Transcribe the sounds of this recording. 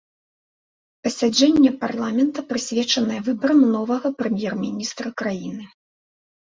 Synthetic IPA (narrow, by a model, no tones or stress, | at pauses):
pɐsʲad͡ʐɛnʲːɛparlˠamʲɛnt̪ɐpɾɨsʲvʲɛt͡ʂɐnɐjɛvɨbɐɾɐmnɔvɐɣɐpɾɛmʲjɛrmʲinʲist̪ɾɐkɾajinɨ